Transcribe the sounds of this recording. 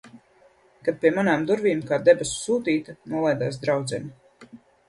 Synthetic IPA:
kad̪̚pʲiɛmanaːmd̪uɾviːmkaːd̪ɛbɛssuːt̪iːt̪anuɔlˠajd̪aːs̬d̪ɾawd̪zɛnʲi

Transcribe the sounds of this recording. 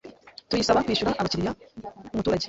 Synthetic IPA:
tujisaβakwiːʃuɾaʔaβaciɾijamumutuːɾaɟe̥

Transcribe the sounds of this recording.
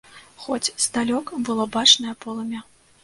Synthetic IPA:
xɔt͡sʲzd̪alʲɔkɐbɨlˠɔbat͡ʂnɐjɐpɔlˠɐmʲa

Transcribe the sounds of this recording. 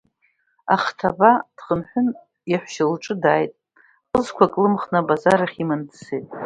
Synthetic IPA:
a̰χtʰabad̥χənħʷʊn | jaħʷʃalʈ͡ʂʼɨdaːjtʼ | qʼəzkʷʰakʼlɨmχnabazaɾaχʲimandsejtʼ

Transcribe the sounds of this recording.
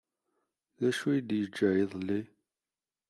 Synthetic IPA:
ðæʃujid̪jəd͡ʒːæjiðˤlːi

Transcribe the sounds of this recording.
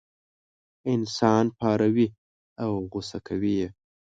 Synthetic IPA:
ɪnsɑnpɑɾawi | awɣʊsakʰawije

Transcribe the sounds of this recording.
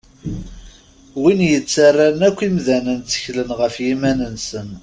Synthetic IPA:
winjət͡sːarːaɾnækʷːimðænənt͡sːə̥çlənʁəfjimænənsən

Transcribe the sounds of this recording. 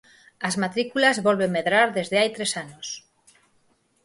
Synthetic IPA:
azmat̪ɾikulazβolβemːeðɾaɾðe̞zðeajt̪ɾesanos

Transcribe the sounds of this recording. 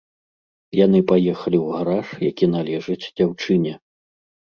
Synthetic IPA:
jan̪ɨpajɛxɐlʲiwɣaɾaʂjakʲinalʲɛʐɨt͡sʲd͡zʲawt͡ʂɨnʲɛ

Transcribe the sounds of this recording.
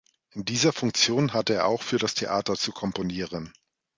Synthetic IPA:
ʔɪndiːzɐfʊŋk̚t͡sjoːnɦatəeːɐʔa̰ʊxfyːɐɾastʰeʔaːtɐt͡sukʰɔmponiːʁ̞ən

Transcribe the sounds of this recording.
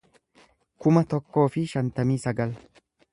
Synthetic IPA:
kʊmɐt̪ɔkːo̞ːfɪʃɐnt̪ɐmiːsɐɡɐl

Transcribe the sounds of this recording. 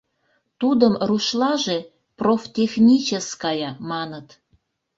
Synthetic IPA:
t̪ud̪əmruʃlɑʒe | proft̪ʲexnʲit͡ɕəskɑjɑmɑnət̪

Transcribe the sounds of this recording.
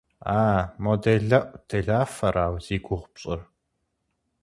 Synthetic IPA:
aːmodeɮɐʔʷtʰeɮaːfɐɾaːwz̥iːɡʷʊʁʷpɕʼɪr

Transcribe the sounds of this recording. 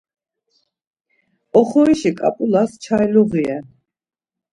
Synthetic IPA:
ɔχɔiʃikʼa̰pʼulast͡ʃʰajlɔʁiɛ

